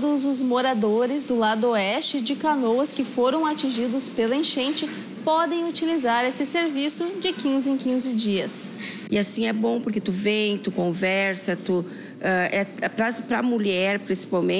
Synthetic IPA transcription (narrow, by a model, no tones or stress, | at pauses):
d̪ʊzʊzmoɾad̪oɾɪzd̪ʊlad̪ʊoɛst͡ʃɪd͡ʒɪkanowɐskɪfoɾɐ̃w̃at͡ʃĩʒid̪ʊspelẽʃẽnt͡ʃɪ | pɔd̪ẽj̃ut͡ʃilizaɾesɪseɾvisʊd͡ʒɪkĩzɪẽkĩzɪd͡ʒiɐs | ɪasĩɛbõpʊɾket̪uvẽj̃t̪ukõvɛɾsɐt̪u | ɛɛpɾapɾɐmuʎɛɾpɾĩsi̥pawmẽ